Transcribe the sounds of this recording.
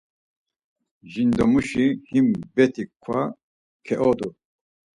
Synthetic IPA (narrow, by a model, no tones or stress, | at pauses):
ʒind̪ɔmuʃihimbɛt̪ʰikʷʰa | kʰɛʔɔd̪u